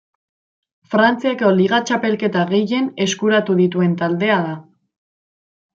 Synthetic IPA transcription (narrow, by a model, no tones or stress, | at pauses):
fɾant͡siako̞liɣ̞at͡ʃape̞lke̞t̪aɣe̞je̞ne̞skuɾat̪uðit̪ue̞nt̪ald̪e̞aða